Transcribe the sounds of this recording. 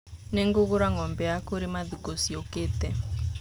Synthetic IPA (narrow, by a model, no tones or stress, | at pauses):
nɛŋɡoɣuɾaŋɔmbɛakoɾimaðikosiɔket̪ɛ